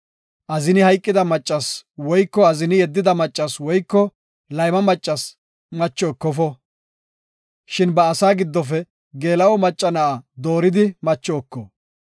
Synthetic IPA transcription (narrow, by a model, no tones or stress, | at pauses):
ʔɐzɪnɪhɐjkʼːɪd̪ɐmɐt͡ʃʼːɐswɔjkːɔɐzɪnɪjɛd̪ːɪd̪ɐmɐt͡ʃʼːɐswɔjkːɔ | lɐjmɐmɐt͡ʃʼːɐs | mɐt͡ʃːɔːkːɔfɔ | ʃɪnbɐːsaːɡɪd̪ːɔf̬ɛ | ɡe̞ːlɐwɔmɐt͡ʃʼːɐnɐʔad̪oːɾɪd̪ɪmɐt͡ʃːɔːkːɔ